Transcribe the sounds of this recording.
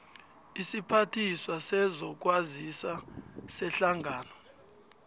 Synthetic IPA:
isipʰatʰiswasɛzɔk̬ʼwazisasɛɬaŋɡʱaːnɔ

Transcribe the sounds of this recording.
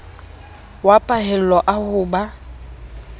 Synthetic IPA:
wapʼahɛl̩lɔʔahʊːba

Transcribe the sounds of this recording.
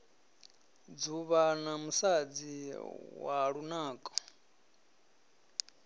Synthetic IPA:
d͡zuβanamusad͡ziwa̰ɺunaːkʼɔ̥

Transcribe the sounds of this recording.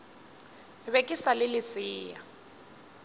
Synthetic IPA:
βekʼisalɪlɪsiːja

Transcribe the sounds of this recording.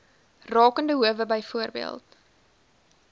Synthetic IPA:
rɑːkəndəɦuəvəbəjfuərbḭə̰lˠt̚

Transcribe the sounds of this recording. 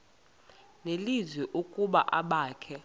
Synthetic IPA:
nelizwɛʔukʼuɓa̰ʔaɓaːkʰɛ

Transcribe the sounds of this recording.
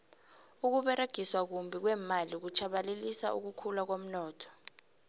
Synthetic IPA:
uk̬uɓɛɾeɡ̥ʱiswak̬umbʱik̬wɛːmalik̬ut͡ʃʰaɓalelisa̰ʔṵk̬ukʰulak̬om̩nɔːtʰɔ̥

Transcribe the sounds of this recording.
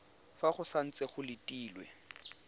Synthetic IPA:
faχʊsan̩t͡sʼɛχʊlɪtʼiːlwɛ

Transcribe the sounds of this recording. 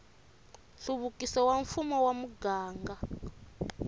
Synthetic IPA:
ɬuβukisɔwaɱfumɔwamuɡaːŋɡa

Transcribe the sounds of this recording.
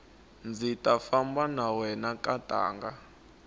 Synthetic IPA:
nd͡zʱitʼafambanawɛnakʼatʼa̰ːŋɡa

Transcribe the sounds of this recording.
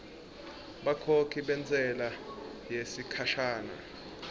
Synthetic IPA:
ɓakʰokʰiɓɛnt͡sʼɛlajesikʰaʃaːna̰

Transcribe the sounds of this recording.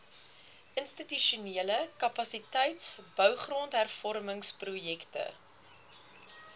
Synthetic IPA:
ʔənstityʃuniələkɐpɐsitɛjtsb̥œwχrontɦærfɔrməŋsprujɛktə̰

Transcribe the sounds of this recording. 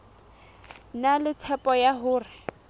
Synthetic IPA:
nalɪt͡sʰɛpʼɔjaɦʊːrɪ

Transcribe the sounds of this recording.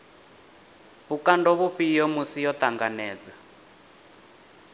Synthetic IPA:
ɦukandɔβuɸijɔmusijɔt̪aŋɡanɛːd͡za

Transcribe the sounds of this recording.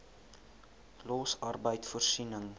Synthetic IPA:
lɔsɐrbəjtfursinəŋ

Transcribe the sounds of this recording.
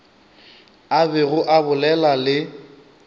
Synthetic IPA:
abɛɣʊʔabʊlɛlalɪ

